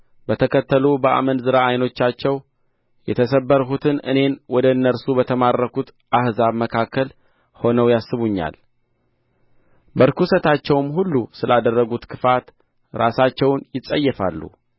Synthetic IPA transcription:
bət̪ʰəkʰət̪ːəlubəʔa̰mənzɨɾaːjno̞t͡ʃːat͡ʃːɛw | jɛt̪ʰəsəbːəɾɦut̪ʰɨnɨ̰ne̞nwɔd̪əɨnːəɾsubət̪ʰəmarːəkʰut̪ | ʔahzaβməkʰakʰːəl | ho̞nəwjasːɨβuɲːa̰l | bəɾkusət̪at͡ʃːɛwmɦulːusɨlad̪ərːəɡut̪kʰɨfat̪ | ɾasat͡ʃːɛwnjɪsʼəjːɛfa̰lːṵ

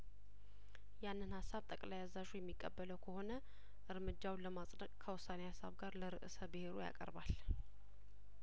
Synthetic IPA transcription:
janːɨnhasːaβt̪ʼəkʼlajazaʒujɛmːikʼːəbːələwkʰəho̞nə | ʔɨɾmɨd͡ʒːawləmasʼnəkʼkʰəwʊsːanehasːa̰βɡaɾləɾɨʔɨsəbɨhe̞ɾoja̰kʼə̰ɾbal

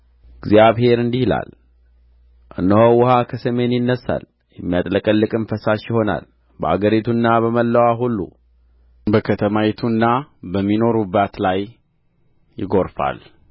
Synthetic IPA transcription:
ɡzijaβɦe̞ɾɨnd̪ihla̰l | ʔɨnːəhowʊhakʰəsəme̞njɪnːəsːa̰l | jɛmːijat̪ʼləkʼəlːɨkʼɨnfəsaʃjɪho̞na̰l | bəa̰ɡəɾit̪ʰunːaβəməlːəwaɦulːṵ | bəkʰət̪ʰəmawɛt̪ʰunːabəmːino̞ɾubːat̪laj | jɪɡo̞ɾfa̰l

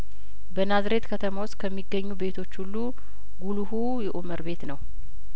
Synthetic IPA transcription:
bənazɾe̞t̪kʰət̪ʰəmawʊst̪kʰəmːiɡːəɲːube̞t̪ʰo̞t͡ʃːhulːu | ɡuluhu | jɛʔuməɾbe̞t̪nəw

